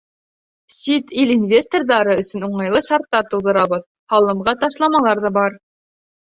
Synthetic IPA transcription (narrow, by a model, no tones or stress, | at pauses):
sʲit̪ilinvʲest̪orðɑɾɤɵ̆sɵ̆nuɴɑjlˠɤʃɑɾt̪ːɑɾt̪ulðɤ̆ɾɑβɤð | hɑlˠɤ̆mʁɑt̪ɑʃlˠɑmɑlˠɑɾðɑbɑɾ